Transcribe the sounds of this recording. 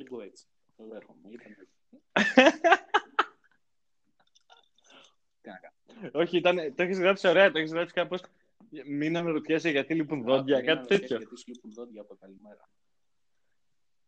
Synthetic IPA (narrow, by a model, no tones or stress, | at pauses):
o̞çiit̪ɐnet̪oeçezɣɾɐpsio̞ɾeɐt̪oeçizɣɾɐpsi̥kɐpo̞s | minɐmeɾot̪çeseʝɐt̪iliponðod̪ʝɐkɐt̪i̥t̪et̪ço̞ | ɾ